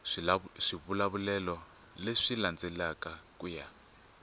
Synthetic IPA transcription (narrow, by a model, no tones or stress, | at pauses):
ʂiβulaβulɛlɔ | leʂiland͡zɛlakakuja